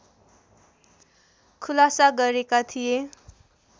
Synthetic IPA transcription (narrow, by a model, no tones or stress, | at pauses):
kʰulasaɡʌɾekat̪ʰije